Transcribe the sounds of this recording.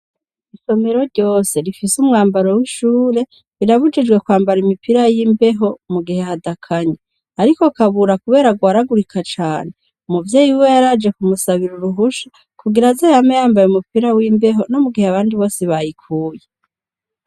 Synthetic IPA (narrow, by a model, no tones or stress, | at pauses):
iso̞me̞ɾo̞ɾɟo̞ːse̞ɾifisumŋaːmbaɾowiʃuːɾe̞ | βiɾaβud͡ʒid͡ʒɡwe̞kwaːmbaɾimipʰiɾajimbe̞ɦo̞muɡihe̞hadakʰaɲe | aɾiko̞kaβuɾakuβe̞ːɾaɡwaːɾaɡuɾikʰat͡ʃaːne̞ | umuvje̞ːjiwejaɾaːd͡ʒe̞kumusaβiɾuɾuɦuʃḁ | kuɡiɾazehamejaːmbajumupiɾawimbe̞ɦo̞no̞muɡiheaβaːndiβo̞ːseβajikʰuːje